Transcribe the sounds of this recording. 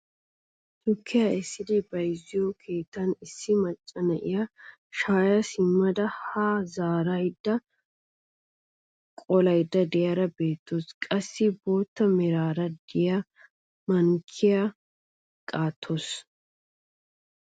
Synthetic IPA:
t̪ʊkʰːɪjɐɪsːɪd̪ɪbɐjɪzːɪjɔkʰe̞ːt̪ːɐnɪsːɪmɐt͡ʃʼːɐnɐʔɪjɐ | ʃaːjɐsɪmːɐd̪ɐhaːzaːɾɐjd̪ːɐ | kʼɔlɐjd̪ːɐd̪ɪjɐɾɐbe̞ːt̪ːoskʼɐsːɪbo̞ːt̪ːɐmɛɾaːɾɐd̪ɪjɐ | mɐŋkʰːɪjɐ | kʼaːt̪ʰːos

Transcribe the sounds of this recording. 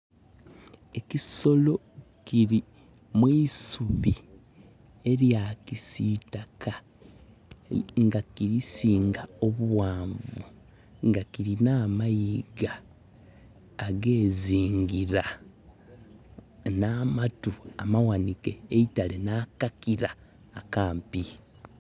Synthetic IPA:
e̞kiso̞lo̞ | kiɾi | mwisuβi | e̞ɾjakisitakʰa | ŋɡakiɾisiːŋɡao̞βuwaːɱvṵ | ŋɡakiɾinaːmajiɡa | ɡe̞ːziːŋɡiɾa | naːmatua̰mawanikeːitalenaːkakiɾaː | kaːmpi

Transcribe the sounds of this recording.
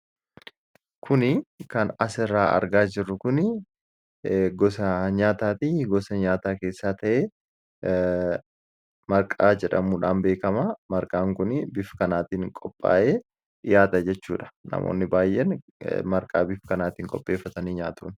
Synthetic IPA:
kʰʊnɪkɐnɐsɪrːaːʔɐ̰ɾɡaːd͡ʒɪrːʊkʊnɪ | ɡɔsɐɲaːt̪aːt̪iːɡɔsɐɲaːt̪aːke̞ːsːaːt̪ɐʔeː | mɐɾkʼaːd͡ʒɛᶑɐmuːᶑaːnbeːkɐmɐmɐɾkʼaːŋkʊnɪbɪfkɐnaːt̪iːŋkʼɔpʼːa̰ːʔeː | jaːt̪ɐd͡ʒɛt͡ʃːṵːᶑɐ̥nɐ̰mʔo̰ːnːɪbaːjːɛn | mɐɾkʼaːbɪfkɐnaːt̪iːŋkʼɔpʼːe̞ːfːɐt̪ɐniːɲaːt̪ṵːn

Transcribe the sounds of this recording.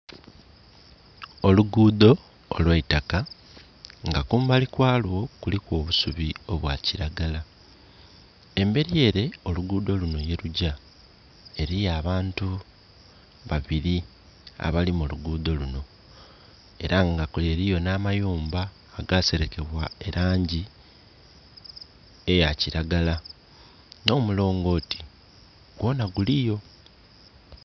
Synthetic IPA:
oluɡuːd̪o̞̰ː | lwaitaka | ŋɡakuːmbalikwaːlwo̞kulikwo̞ːβusuβio̞βwaːciɾaɡala | e̞mbe̞ɾie̞ːɾe̞o̞luɡuːd̪o̞luno̞je̞ɾuɟa | e̞ɾijaːβaːntu | βaβiɾi | a̰βalimuluɡuːd̪o̞luno̞ | e̞̰ɾaŋɡakule̞ɾijo̞naːmajuːmbaː | ɡaːse̞ɾe̞ke̞βwae̞ɾaːɲɟi | e̞jaciɾaɡala | no̞ːmulo̞ːŋɡo̞ːti̥ | ɡwo̞ːnaɡulijo̞

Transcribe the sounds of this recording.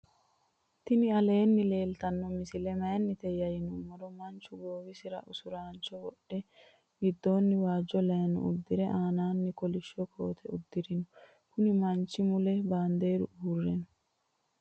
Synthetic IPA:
t̪ɪnɪɐle̞ːnːɪle̞ːlt̪ɐnːɔmɪsɪlɛmɐjɐnːɪt̪ɛjɐjɪnumɔɾɔmɐnt͡ʃːʊɡoːwɪsɪɾɐ̰ʔʊsʊɾaːnt͡ʃɔwɔɗːɛ | ɡɪd̪ːo̞ːnːɪwaːd͡ʒːɔlɐjɐnɔ̰ʊ̰d̪ːɪɾɛʔaːnaːnːɪkɔlɪʃːɔkʰo̰ːt̪ʰɛʊd̪ːɪɾɪnɔ | kʊnɪmɐnt͡ʃːɪmʊlɛbaːnd̪e̞ːɾʊ̰ʔuːrːɛnɔ

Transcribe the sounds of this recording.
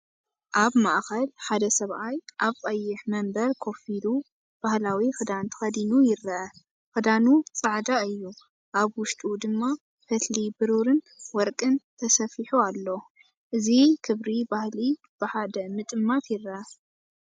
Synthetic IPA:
ʔaβmaʔxɐlħad̪ɐsɐβʔajʔaβkʼɐjːɪħmɐmbɐɾkʰo̞filu | b̥ahlawixɨd̪ant̪ʰɨ̥xɐd̪inujɪɾːɐɐ | xɨd̪anut͡sʼaʕd̪aɨjːu | ʔaβwʊʃt̪ʼud̪ɨmːa | fɐt̪ʰlibɨɾuɾɨn | wɔɾkʼɨnt̪ʰɐsɐfiħualːo | ʔɨzikʰɨβɾibahli | b̥ɨħad̪ɐmɨt̪ʼɨmːat̪jɪɾːɐʔɐ

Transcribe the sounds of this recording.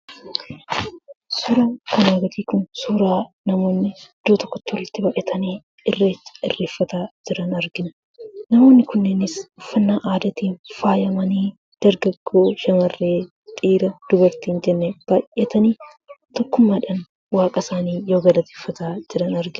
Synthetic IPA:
suːɾaːkɐnaːɡɐt̪iːkʊnsuːɾaːnɐmo̞ːnːɪd̪̥oːt̪ɔkːɔt̪ːɔlɪt̪ːɪbɐʔɛt̪ʰɐneː | ɪrːeːt͡ʃːɐ̥ɪ̰rːeːfːɐt̪aːd͡ʒɪɾɐnɐɾɡɪnɐ | nɐmo̞ːnːɪkʊnːenɪsʊfːɐnːaːʔaːd̪ɐt̪iːnfaːjɐmɐniː | d̪̥ɐɾɡɐɡːo̞ːʃɐmɐrːeː | t̪ʼiːɾɐd̪̥ʊbɐɾt̪iːnd͡ʒɛnːeb̥aːʔeːt̪ɐniː | t̪ɔkːʊmːaːᶑɐn | waːkʼɐsaːniːjoːɡɐlɐt̪eːfːɐt̪aːd͡ʒɪɾɐnɐɾɡɪnɐ

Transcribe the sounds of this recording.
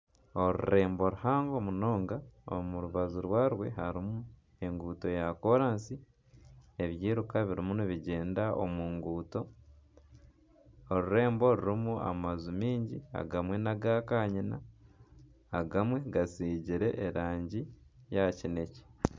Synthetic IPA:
o̞ɾṵɾe̞ːmbo̞ɾuhaːŋɡo̞muno̞ːŋɡao̰muɾuβazuɾwaːɾwe̞ɦaɾimu | e̞ŋɡuːto̞jako̞ɾaːnsi | e̞βjiːɾukaβiɾimuniβiɟe̞ːndaʔo̰mwuːŋɡuːto̞ | oɾuɾe̞ːmbo̞ɾuɾimua̰mazumiːɲɟia̰ɡamwe̞naɡakaɲina̰ | ɡamwe̞ɡasiːɟiɾe̞̰ʔːɾaːɲɟijacine̞ce̥

